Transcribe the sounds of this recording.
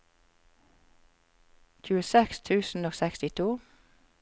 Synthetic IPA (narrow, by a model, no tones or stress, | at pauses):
çʉːəsɛkst̪ʰʉːsn̩oːsɛkst̪ɪt̪ʰuː